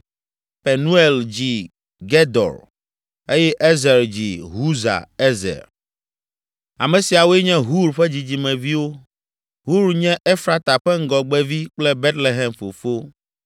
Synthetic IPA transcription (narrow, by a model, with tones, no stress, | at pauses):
pe˨nũ˦ɛ˨ld͡ʑi˨ | ɡɛ˦d̪ɔ̰˨ɾ | e˦jɛ˦ʔe˦zɛ˨ɾd͡ʑi˨ɦu˦za̰˨e˦zɛ̰˨ɾ | a̰˨mɛ̃˨si˨a˨wo˦ɛ˦ɲɛ̃˦ɦu˦ɾɸɛ˦d͡ʑi˨d͡ʑi˨mɛ̃˨vi˦wo˦ | ɦu˦ɾɲɛ̃˦ʔe˦fɾa˨t̪a˨ɸɛ˦ŋ̩˦ɡɔ˨ɡ͡bɛ˦vi˦k͡plɛ˦be˦t̪le˨ɦɛ˨mfo˨fo˦